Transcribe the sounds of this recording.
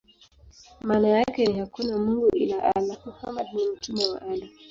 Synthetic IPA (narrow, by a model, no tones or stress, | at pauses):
maːnajakɛnihakunamuŋɡuʔḭnaʔalakuka̰maɗnɛm̩tumɛwaʔala